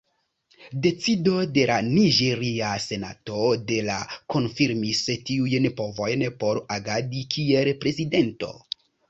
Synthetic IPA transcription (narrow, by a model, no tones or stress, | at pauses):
de̞t͡sido̞de̞laniʒe̞ɾiase̞na̰to̞de̞lako̞nfiɾmistiujnpo̞vo̞jnpo̞ɾaɡadikʰie̞lpɾe̞zide̞nto̞̰